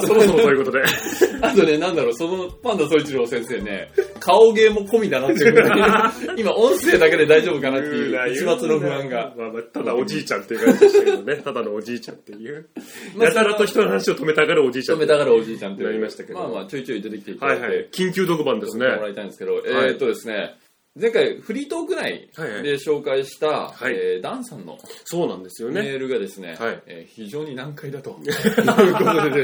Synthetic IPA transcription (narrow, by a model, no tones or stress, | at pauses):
soosoojiɯkot̪od̪eat̪o̞ne̞nãnd̪aɾo̞ːsonopãnd̪osoit͡ɕiɾoːsẽ̞ɰ̃se̞ːne̞̰kʰaoɡe̞ːmo̞ko̞mʲinaɡaeɯ | imaʔõ̞ɰ̃se̞ːd̪ake̞d̪e̞d̪aiʑo̞ːbɯ̟kanat̪ːejɯit͡ɕimat͡sɨno̞ɸɯ̟ãŋɡamamat̪ad̪aod͡ʑiːt͡ɕãnt̪eikaek̪onet̪ad̪anoːd͡ʑiːt͡ɕã̰nt̪e̞jɯ̟maat̪aɾat̪o̞çi̥t̪onohanaɕio̞t̪ome̞t̪aɡaɾaod͡ʑiːt͡ɕaome̞t̪aɡaɾao̞ʑiːt͡ɕãnt̪enaɾʲimaɕi̥t̪akeamaːt͡ɕoit͡ɕoːid̪e̞t̪e̞kʲi̥t̪eithajhaekʲĩŋk̬ʲɨːd̪o̞kɯ̟bãnd̪esɨnemoɾaɾit̪aĩnd̪e̥sɨ̥ked̪o̞ʔet̪ːo̞d̪e̞sɨne̞ | zẽ̞ŋkaiɸɯ̟ɾʲiːt̪o̞ːɡɯ̟ɾaḭhajhad̪e̞ɕo̞ːkaiɕi̥t̪ahaied̪ãɰ̃sãnːo̞̰soːnãnd̪e̞sɨjo̞ne̞eɾɯ̟ɡad̪e̞sɨne̞̰haieːçiʑo̞ːɲ̟inãŋkaid̪at̪o̞ | kotod̪e